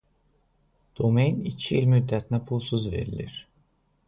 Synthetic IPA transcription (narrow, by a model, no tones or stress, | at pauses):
d̪̥omejnicʰiilʲmyd̪ːæt̪ʰnæpʰulˠsuzve̞̰ɾḭlʲḭɾ̥